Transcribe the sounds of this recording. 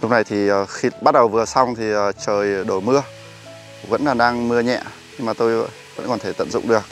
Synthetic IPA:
lʊ˦˥k͡p̚na˨˩jt̪ʰiː˨˩˨xi˧ɓa˦˥t̚ɗə˨˩wvɨ˨˩əsa˧wŋ͡mt̪ʰi˨˩əː˨˩t͡ɕəː˨˩jɗo˧˩mɨ˧ə | və̰˧˥nlaː˨˩ɗaː˧ŋmɨ˧əɲɛ̰˧˨ | ɲɨ˧ŋmaː˨˩t̪o˧j | və̰˧˥nkɔ˨˩nt̪ʰe˧˩t̪ə̰˧˨nzʊ̰˧˨ŋ͡mɗɨ˨˩ək̚

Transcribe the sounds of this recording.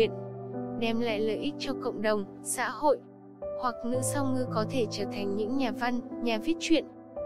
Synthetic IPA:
ənɗɛ˧mla̰ː˧˨jləː˨˩jʔi˦˥k̚t͡ɕɔ˧kə̰˧˨wŋ͡mɗə˨˩wŋ͡m | sa̰ː˧˥ho̰˧˨j | hwa˨˩k̚nɨ̰˧˥sa˧wŋɨ˧kɔ˨˦t̪ʰe˧˩t͡ɕəː˧˩t̪ʰa˨˩jŋ̟ɲɨ̰˧˥ŋɲaː˨˩va˧nɲaː˨˩vi˦˥ət̚t͡ɕwḭ˧˨ən

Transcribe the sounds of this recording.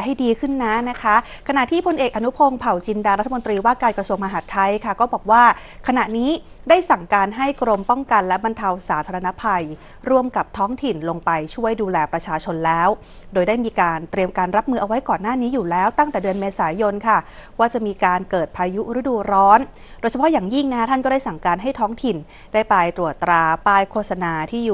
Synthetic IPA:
ɦa˥˩jdiː˧kʰɯ˥˩nːa˦˥na˦˥kʰa˦˥kʰa˧na˨˩ʔt̪ʰiː˥˩pʰo˧nʔeː˨˩k̚ʔa˧nu˦˥pʰo˧ŋpʰa˨˩wt͡ɕi˧ndaː˧ɾa˦t̪ʰːmo˧nt̪ɾiː˧waː˥˩kaː˧nkɾa˧su˧əŋma˧ɦa˨˩t̪ʰːa˧jkʰa˥˩kɔː˥˩bɔː˨˩k̚waː˥˩ | kʰa˧na˨˩ʔniː˦˥ | daː˥˩jsa˨˩ŋkaː˧nɦa˥˩jkɾo˧mpɔ˥˩ŋka˧nlɛ˦˥ba˧nt̪ʰa˧wsaː˩˦t̪ʰaː˧ɾa˧na˦˥pʰa˧j | ɾu˥˩əmka˨˩p̚t̪ʰɔː˦˥ŋt̪ʰi˨˩nlo˧ŋpa˧jt͡ɕʰu˥˩əjduː˧lɛː˧pɾa˧t͡ɕʰaː˧t͡ɕʰo˧nlɛː˦˥w | doː˧jda˥˩jmiː˧kaː˧nt̪ɾi˧əmkaː˧nɾa˦˥p̚mɯː˧ʔa˧wa˦˥jkɔː˨˩nːaː˥˩niː˦˥juː˨˩lɛː˦˥wt̪a˥˩ŋt̪ɛː˨˩dɯ˧ənmeː˧saː˩˦jo˧nkʰa˥˩ | waː˥˩t͡ɕa˨˩ʔmiː˧kaː˧nkɤː˨˩t̪̚pʰaː˧ju˦˥ɾɯ˦˥duː˧ɾɔː˦˥n | doː˧jt͡ɕʰa˧pʰɔ˦˥jaː˨˩ŋji˥˩ŋna˦˥t̪ʰa˥˩nkɔː˥daː˥˩jsa˨˩ŋkaː˧nɦa˥˩jt̪ʰɔː˦˥ŋt̪ʰi˨˩n | daː˥˩jpaː˧jt̪ɾu˨˩ət̪ːɾaː˧paː˧jkʰoː˥t̪̚sa˧naː˧t̪ʰiː˥˩juː˨˩

